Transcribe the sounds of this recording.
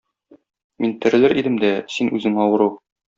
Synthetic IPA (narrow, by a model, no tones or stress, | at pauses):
mint̪ɘ̆ɾɘ̆lɘɾʔid̪ɘmd̪æsinʉzɘŋɒwɤ̆ɾɤ